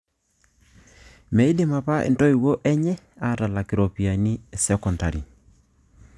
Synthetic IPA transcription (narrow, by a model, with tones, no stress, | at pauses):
mɛ˨i˦dɪ˦ma˨pa˦ʔḛ˨nto˦i˨wo˦ʔɛ˦ɲɛ˦ | a˦ta˨la˨kɪ˨ɾo˨pi˨a˨ni˦ɛ˨sɛ˦kɔ˨nda˨ɾi˨